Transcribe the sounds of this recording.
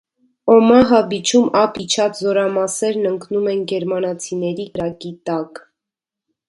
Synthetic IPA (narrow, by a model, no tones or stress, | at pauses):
ɔmɑɦɑbit͡ʃʰumɑpʰit͡ʃʰɑt͡szɔɾɑmɑsɛɾnəŋknumɛnɡɛɾmɑnɑt͡sʰinɛɾikəɾɑkit̪ɑk